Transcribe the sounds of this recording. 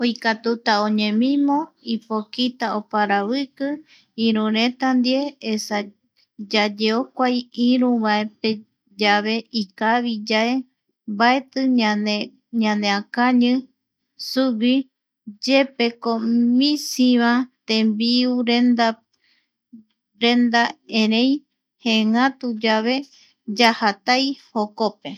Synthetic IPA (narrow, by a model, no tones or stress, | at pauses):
ojkat̪ut̪aõɲẽmĩmõipokit̪aopaɾaβɨkɨ | ĩɾũɾẽt̪and̪ieesa | d͡ʒad͡ʒeokʷajiɾũβae̞pe | d͡ʒaβe̞ikaβid͡ʒae̞ | mbaet̪ɨae | ɲãneakaɲɨ̃ | suβi | d͡ʒepekomĩsiβãt̪ẽmbiuɾend̪a | ɾẽnd̪aẽɾẽj | hẽŋãt̪ud͡ʒaβe̞ | d͡ʒahat̪ajhokope̞